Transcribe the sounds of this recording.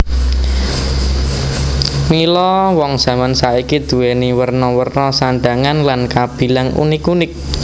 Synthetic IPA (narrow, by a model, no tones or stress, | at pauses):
nilɔwɔŋz̥a̤mansaikid̪̥ṳweniwərnɔwərnɔsaɳɖa̤ŋanlankab̥i̤laŋṵnɪkunɪk̚